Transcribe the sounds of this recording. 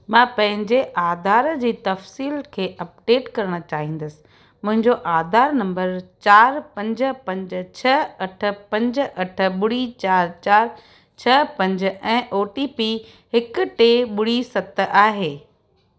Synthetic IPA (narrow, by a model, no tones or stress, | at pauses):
mãːpɐ̃ɦɪ̃ɲd͡ʑeʔaːd̪ʱaːɾd͡ʑiːt̪ɐfsiːlkʰeːʔɐp̚ɖeːʈkɐɾəɽ̃ə̆t͡ɕaːɦĩːnd̪əsɪ̥̆ | mʊ̃ɦɪ̃ɲd͡ʑoʔaːd̪ʱaːɾnɐ̃mbəɾt͡ɕaːɾpɐ̃ɲd͡ʑə̆pɐ̃ɲd͡ʑt͡ɕʰɐɐʈʰə̆pɐ̃ɲd͡ʑʔɐʈʰə̆ɓʊɽit͡ɕaːɾt͡ɕaːɾ | t͡ɕʰɐpɐ̃ɲd͡ʑɛ̃ːʔoːʈipi | hɪkʊ̆ʈeɓʊɽ̤isɐt̪aːɦeː